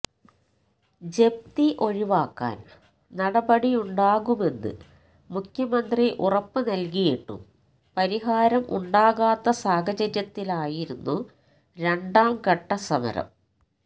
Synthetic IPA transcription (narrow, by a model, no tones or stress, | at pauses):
d͡ʑe̞b̚t̪iʔo̞ɻiʋaːkːa̰ːn | nɐɽɐbɐɽijuɳɖaːɣume̞nːɨ̰ | mukʰjɐmɐnd̪riʔurɐpːɨnɐlk̬ijiʈːṵm | pɐɾiɦaːɾɐmʔuɳɖaːɣaːt̪ːɐsaːɡɐd͡ʑɐɾjɐt̪ːilaːjiɾunːu | ɾe̞ɳɖaːmkɐʈːɐsɐmɐ̰ɾɐ̰m